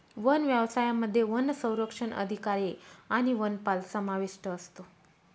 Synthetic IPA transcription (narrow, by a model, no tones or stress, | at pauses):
ʋənʋjaʋsajaməd̪ʱːjeʋənːsə̃w̃ɾəkʂəɳʔə̰d̪ʱikaɾiaɽ̃iʋənpalsəmaʋiʂʈəːst̪o